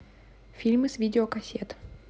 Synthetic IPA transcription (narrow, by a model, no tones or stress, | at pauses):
fʲilʲmɨsvʲidʲɪokɐsʲet̪